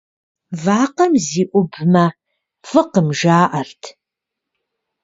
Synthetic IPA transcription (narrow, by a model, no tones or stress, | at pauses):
vaːqɐmziːʔʷʊbmɐ | fɨqəmʒaːʔɐrtʰ